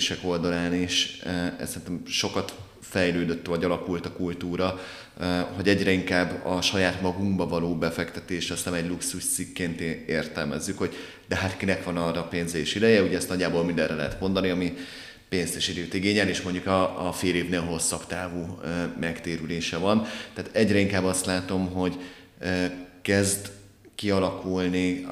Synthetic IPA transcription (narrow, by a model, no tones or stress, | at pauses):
ʃɛko̞ld̪ɒlaːneːʃɛ̰sɛɾinɛmʃo̞kɒt̪ | fɛjløːd̪øt̪ːvɒɟɒlɒkult̪ɒkult̪uːɾɒ | ɦo̞ɟɛɟrɛiŋkaːbːɒʃɒjaːt̪mɒɡuŋɡbɒvɒloːbɛfɛkt̪ɛt̪eːʃɛst̪ɛnɛɟluksuʃt̪sikːeːnt̪eeːrt̪ɛlmɛ̰zːykho̞ɟ̥ | d̪̥ɛɦaːt̪kinɛkʋɒnɒːrːɒːpeːnzeːʃid̪ɛjɛuɟɛɛst̪nɒɟːaːbolmind̪ɛrɾɛlɛɦɛ̰t̪mo̞nd̪ɒniɒmi | peːnst̪eːʃid̪øːt̪iɡeːɲɛleːʃmo̞ɲɟukɒfeːleːvneːlɦo̞sːɒbt̪aːvuːmɛkt̪eːɾyleːʃɛvɒnt̪ɛaːt̪ɛɟɾɛiŋkaːbːɒst̪laːt̪o̞mɦo̞ɟː | kɛzd̪ | kiɒlɒkʰulni